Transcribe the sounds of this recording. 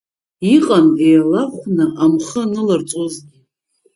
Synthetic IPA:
iqʼamejalaχʷnɨʔamχənɨlart͡sʷʼozɡʲi

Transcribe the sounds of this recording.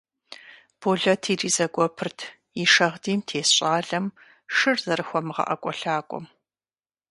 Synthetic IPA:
b̥oːɮɐtʰiːriːzɐɡʷʼɔpʰɨrtʰ | iʂɐʁdiːmtʰeːsɕʼaːɮɐm | ʂɨrzɐɾɨxʷɔmɨʁɐ̰ʔɐkʷʼɔɬaːkʷʼɔ̰m

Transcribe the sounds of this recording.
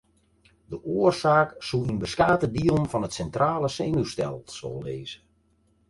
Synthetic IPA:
dəʔoərsaːksuinbəskaːtədiəlˠnfɔnətsɛntraːləseːnustɛ̰lˠso̰lˠːeːzə

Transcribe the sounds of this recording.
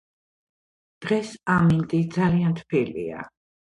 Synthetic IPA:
d̪̥ʁɛsamint̪ʼid̪zaliant̪ʰpʰilḭa̰

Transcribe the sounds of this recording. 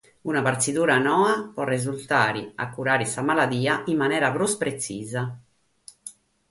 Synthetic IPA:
unapaɾt̪sit̪uːɾanɔːapɔrːezult̪aːɾḭa̰kːuɾaːɾisamalad̪iːaimːanɛːɾapɾuspɾet̪sḭːza

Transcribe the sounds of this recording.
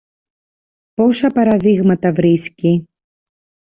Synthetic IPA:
po̞sɐpɐɾɐðiɣmɐt̪ɐvɾisci

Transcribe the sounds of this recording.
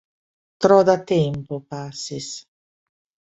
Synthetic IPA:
t̪ɾɔd̪at̪ɛmpopasːis

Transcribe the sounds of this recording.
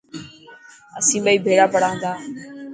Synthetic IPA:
əsĩːɓaːiːbʱeːɽaːpəɽaːə̃nd̪aː

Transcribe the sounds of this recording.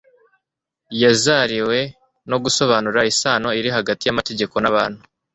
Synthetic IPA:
jazaɾiwe̞ | no̞ɡuso̞βaːnuɾaisaːno̞iɾiɦaɡatijamate̞ɟe̞ko̞naβa̰ːnhu

